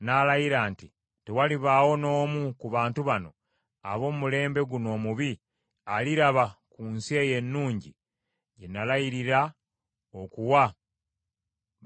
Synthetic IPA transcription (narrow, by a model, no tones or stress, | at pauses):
nalajiɾaːnti | te̞waliβaːwo̞no̞ːmukuβaːntuβano̞ | a̰βo̞ːmmule̞ːmbe̞ɡuno̞ːmuβi | aliɾaβakunsie̞je̞nːuːɲɟḭ | ɟe̞nalajiɾiɾa | okuwa